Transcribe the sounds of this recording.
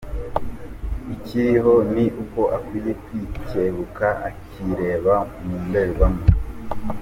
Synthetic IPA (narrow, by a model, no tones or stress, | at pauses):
iciɾiɦo̞niʔuko̞ʔakwiːje̞kwiceβukaaciɾe̞ːβamumbeɾuβamo